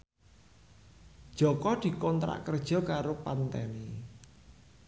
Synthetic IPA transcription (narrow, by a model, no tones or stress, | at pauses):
d̥ʒ̥ɔ̤kɔd̪̥i̤kɔnt̪ɾa̰ʔkərd̥ʒ̥ɔ̤kaɾopant̪ɛni